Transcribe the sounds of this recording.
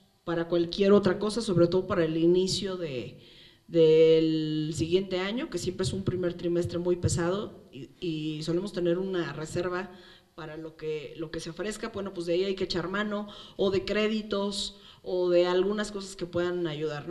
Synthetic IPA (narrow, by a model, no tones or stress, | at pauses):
paɾakwalkje̞ɾo̞t̪ɾako̞saso̞βɾe̞t̪o̞ð̞o̞paɾaelinisjo̞ðe̞ | ðelsiɣje̞nt̪e̞aɲo̞ke̞sje̞mpɾeesumpɾime̞ɾt̪ɾime̞st̪ɾe̞mujpe̞sað̞o̞iso̞le̞most̪e̞ne̞ɾunare̞se̞ɾβa | paɾalokelo̞ke̞seafɾe̞skabwe̞no̞pwezðeaiajkeet͡ʃaɾmãno̞ːðe̞kɾe̞ðit̪o̞s | oðe̞alɣunasko̞sḁske̞pwe̞ðanaʝuðaɾ